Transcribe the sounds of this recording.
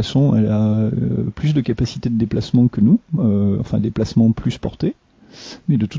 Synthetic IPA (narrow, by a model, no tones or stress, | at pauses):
asɔ̃ɛ̰la | plysd̪əkapasi̥t̪ed̪əd̪eplasmɑ̃kənuøɑ̰̃fɛ̃d̪eplasmɑ̃plyspɔʁt̪e | mɛd̪ət̪ut̪